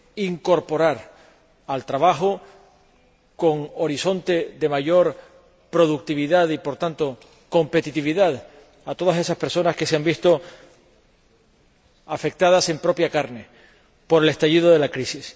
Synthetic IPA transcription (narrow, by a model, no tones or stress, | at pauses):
iŋko̞ɾpo̞ɾaɾ | alt̪ɾaβaɦo | ko̞ŋoɾiso̞nt̪e̞ðe̞maʝo̞ɾ | pɾo̞ðuk̚t̪iβiðaðipo̞ɾt̪ant̪o̞ | ko̞mpe̞t̪it̪iβiðað | at̪o̞ð̞ase̞saspeɾso̞naske̞seambist̪o̞ | afe̞k̚t̪að̞ase̞mpɾo̞pjakaɾne̞ | po̞ɾe̞le̞st̪aʝiðo̞ðe̞lakɾisis